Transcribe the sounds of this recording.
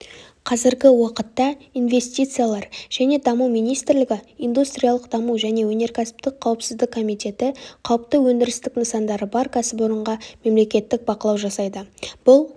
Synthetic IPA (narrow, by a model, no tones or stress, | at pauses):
qʰɑzɪɾɡʲɪwɑqət̪ːɑinve̞st̪ʲijt̪sɨjalˠɑɾʒ̥æne̞d̪ɑmuwmijnijst̪ɾlɪɡʲɪijnd̪ust̪ɾʲijalˠəqd̪ɑmuwʒæne̞wɵne̞ɾkʲʰæsɪ̥pt̪ɪk̚qʰːɑwəpsɪzd̪ɪkʰːo̞mijt̪e̞t̪ɪqʰɑwəp̚t̪əwɵnd̪ɪɾɪst̪ɪknəsɑnd̪ɑɾəbɑɾkʲʰæsɪp̬oɾəɴʁɑme̞mle̞kʲe̞t̪ːɪk̚bɑqəlˠɑwʒɑsɑjd̪əb̥ʊlˠ